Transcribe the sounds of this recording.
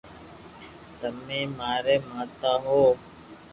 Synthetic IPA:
t̪əmẽːmaːɾeːmãːt̪aːɦoː

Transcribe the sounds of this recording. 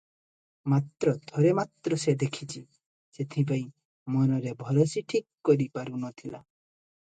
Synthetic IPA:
mat̪ɾɔd̪ʱɔɾemat̪ɾɔsed̪ekʰit͡ʃʰi | set̪ʰipaĩ | mɔnɔɾebʱɔɾɔsiʈʰikːɔɾipaɾunɔt̪ʰila

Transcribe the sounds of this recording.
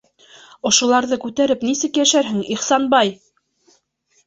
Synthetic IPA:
ŏʃŏlˠɑɾðɤkʉt̪æɾɘpnisɘkjæʃæɾɦɘŋiχsɑnbɑj

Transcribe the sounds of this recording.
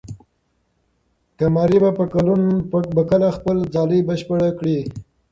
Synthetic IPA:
kamɑɾibapəkalunbəkəlaxpəld͡zɑlibəʃpəɽakɽi

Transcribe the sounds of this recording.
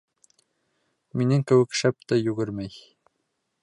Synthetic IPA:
minɘŋkɘ̆wɘ̆kʃæp̚t̪æjʉɡɘɾmæj

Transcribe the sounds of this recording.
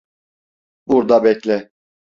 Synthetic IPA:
buɾd̪abɛclʲɛ

